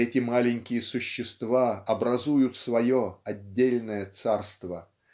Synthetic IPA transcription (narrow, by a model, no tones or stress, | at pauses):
ɛtʲɪmalʲɪnʲkʲɪjəsʊɕːɪst̪vaɐbɾɐzujʊt̪svɐjoɐdʲːelʲnəjət̪sarst̪və